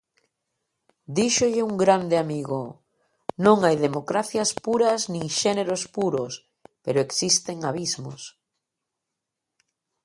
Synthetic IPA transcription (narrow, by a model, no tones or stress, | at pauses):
d̪iʃoʎɪuŋɡɾand̪ɪamiɣo | nõŋajðemokɾaθjɐspuɾɐznĩŋʃɛneɾospuɾos | peɾoeksist̪eŋaβizmo̰s